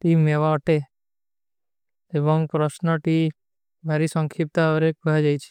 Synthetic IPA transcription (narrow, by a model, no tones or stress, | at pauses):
ʈimːeʋaəʈe | eʋəŋpɾəsnəʈi | mʱaɾisəŋkʰip̚t̪aʋɾekad͡ʒajt͡ʃʰe̥